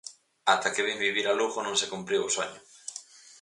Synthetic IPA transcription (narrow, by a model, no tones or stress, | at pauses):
at̪akeβimbiβiɾaluɣʊnõŋsekumpɾiwosoɲʊ